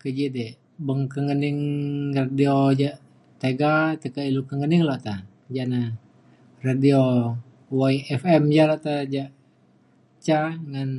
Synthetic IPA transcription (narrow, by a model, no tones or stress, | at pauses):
kəd͡ʒid̪ɛ | bəŋkəŋənɪŋradiod͡ʒa | t̪eɡat̪əkailukəŋənɪŋlɔʔt̪a | d͡ʒana | radio | waiɛfɛmd͡ʒalɔʔt̪ad͡ʒa | t͡ʃaŋan